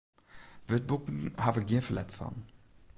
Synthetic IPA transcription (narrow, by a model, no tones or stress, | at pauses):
vəət̚bukŋ̩haːvəɡiəfəlɛ̰tfɑ̰n